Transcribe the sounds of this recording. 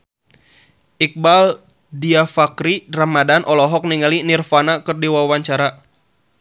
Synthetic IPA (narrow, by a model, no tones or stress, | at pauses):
ʔik̚bal | diafakɾiramadanʔɔlɔɦɔk̚niŋalinirfanakɨrdiwawaɲt͡ʃaɾa